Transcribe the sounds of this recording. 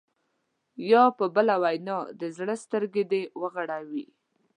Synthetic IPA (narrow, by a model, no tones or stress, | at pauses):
jɑpəbəlawajnɑd̪əzɽəst̪əɾɡed̪ewəɣaɽawi